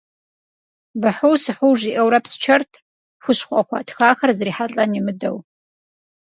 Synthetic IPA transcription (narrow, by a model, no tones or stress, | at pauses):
bɨħʊwsɨħʊwʒiʔɐwɾɐpsɨ̥t͡ʃʰɐrtʰ | xʷʊɕχʷʼɐxʷɑ̰ːtʰxaːxɐrzɨriːħaɬʼɐnimɨdɐ̰w